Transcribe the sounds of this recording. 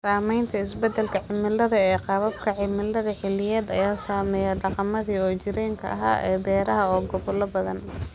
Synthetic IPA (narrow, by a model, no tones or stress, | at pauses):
saːmɛjnt̪ʰɐɪsbɛd̪ɛlkʰɐʕɪmɪlɐðɐɛːqɑβɐb̚kʰɐʕɪmɪlːɐðɐħɪlɪjɛːd̪ɐ̰jaːsaːmɛːjɛɖɑqɑmɐðiːɔːt͡ʃɪɾɛːŋkʰɐ̰ʔɐɦa̰ːʔɛ̰ːd̪ɛːɾɐɦɐɔːɡɔβʊlɐbɐðɐn